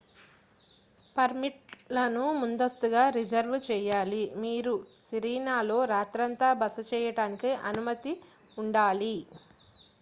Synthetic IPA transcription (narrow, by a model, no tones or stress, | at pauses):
pɐɾmiʈ̚lɐnumund̪ɐst̪uɡaːɾid͡ʒɐɾʋt͡ʃɛːjaːlimiːɾusiɾiːnaːlo̞ːɾaːt̪ɾɐnt̪aːbɐsɐt͡ʃɛːjɐɽaːnikiʔɐnumɐt̪i | uɳɖaːli